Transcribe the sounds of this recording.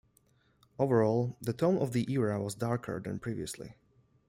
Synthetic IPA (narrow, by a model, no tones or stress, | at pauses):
ovəɹɔlˠðətʰõʊ̃nɔvðiʔiɹawɔzdaɹkʰə̰˞d̪ɛ̰̃npʰɹivḭəslḭ